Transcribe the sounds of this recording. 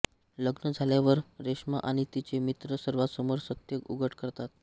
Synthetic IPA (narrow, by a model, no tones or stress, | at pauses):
ləɡnəd͡zʱaljaʋəɾɾeʂma̰ʔaɽ̃it̪it͡ɕemit̪ɾəsəɾʋasəmoɾsət̪jəkuɡʱəʈʰkəɾt̪at̪̚